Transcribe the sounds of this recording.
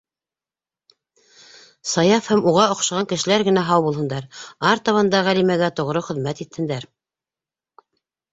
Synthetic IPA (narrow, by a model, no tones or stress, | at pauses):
sɑjɑfhæmuʁɑŏqʃɑʁɑŋkɘ̆ʃɘ̆læɾɡɘ̆næɦɑwbulˠhɤ̆nd̪ɑɾɑɾt̪ɑβɑnd̪ɑʁælimæɡæt̪ŏʁɾɤχɵ̆ðmæt̪it̪ʰːɘ̆nd̪æɾ